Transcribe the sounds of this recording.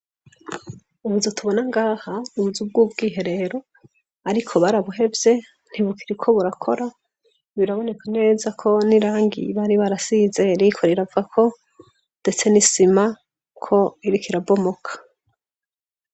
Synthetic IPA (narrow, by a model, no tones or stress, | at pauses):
uβuzotʰuβo̞naŋɡaːhanuβuzub̚ɡuːbɡiːɦe̞ɾe̞ɾo̞ | aɾikʰo̞βaɾaβuɦe̞vje̞ | n̥iβukʰiɾikʰo̞βuɾakʰo̞ɾa | βiɾaβo̞ne̞kʰane̞ːzakʰo̞niɾaːŋɡḭβaɾiβaɾasiːze̞ɾikʰo̞ɾeɾavuɡakʰo̞ | nde̞t͡se̞nisima | kʰo̞iɾikʰiɾabo̞mo̞kʰḁ